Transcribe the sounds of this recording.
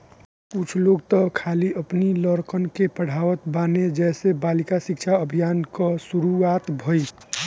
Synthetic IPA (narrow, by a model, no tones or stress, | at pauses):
kʊt͡ʃʰloɡt̪ɔkʰaliəpniləɾkənkepəɽ̤aʋət̪baned͡ʒɛsebalikasikt͡ʃʰaəbʱijankɔsuɾuat̪bʱoj